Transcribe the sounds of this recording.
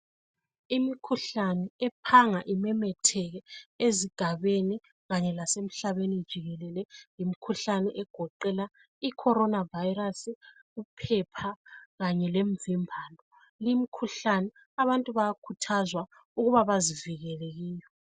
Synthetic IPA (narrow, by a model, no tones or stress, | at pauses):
imikʰuɬanɛɛpʰaŋaʔimɛmɛtʰɛɣɛeziɡ̥ʱaβeni | ɣaɲɛlasem̩ɬaβenid̥ʒ̥ʱiɣɛlɛlɛjimikʰuɬanɛʔɛɡ̥ʱɔǃɛla | ikʰɔɾɔnavajɾasi | ɣupʰɛpʰaɣaɲɛlemvimbʱaːlɔ | limikʰuɬanɛ | aβantʼuβajakʰutʰazwa | uɣuβaβaziviɣɛleɣiːjɔ